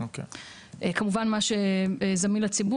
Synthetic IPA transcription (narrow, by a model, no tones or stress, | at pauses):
okḛ | ʔekamuvanmaʃeezaminlat͡sibu